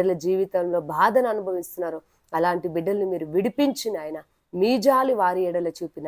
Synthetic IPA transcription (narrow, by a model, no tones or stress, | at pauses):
ɐlɐd͡ʒiːʋit̪ɐmlo̞ːbʱaːd̪ʱɐnɐɐnubʱɐʋist̪unːaːɾu | ɐlaːɳʈibiɖːɐlnimiːɾuʋiɽipiɲt͡ʃinaːjɐnɐ | miːd͡ʒaːliʋaːɾiɛɽɐlɐt͡ʃuːpinː